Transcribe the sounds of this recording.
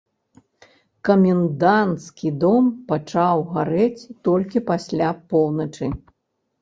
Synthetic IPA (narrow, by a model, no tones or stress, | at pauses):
kɐmʲind̪ant̪skʲid̪ɔmpat͡ʂawɣaɾɛt͡sʲt̪ɔlʲkʲipasʲlʲapɔwnɐt͡ʂɨ